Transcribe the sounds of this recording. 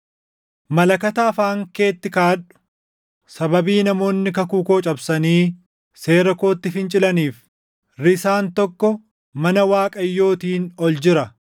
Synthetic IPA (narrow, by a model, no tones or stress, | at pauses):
mɐlɐkɐt̪aːfaːŋke̞ːt̪ːɪkaːᶑʊ̥ | sɐbɐbiːnɐmo̞ːnːɪkɐkuːko̞ːt͡ʃʼɐbsɐniː | se̞ːɾɐko̞ːt̪ːɪfɪnt͡ʃʼɪlɐniːf | ɾɪsaːnt̪ɔkːɔ | mɐnɐwaːkʼɐjːo̞ːt̪iːnɔld͡ʒɪɾɐ